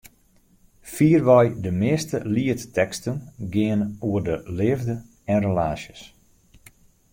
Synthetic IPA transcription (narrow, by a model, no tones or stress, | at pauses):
fiːərʋɔjdəmɪːstəliəttɛkstənɡɪənuərdəlɪːvdə | ɛnrelaːsjəs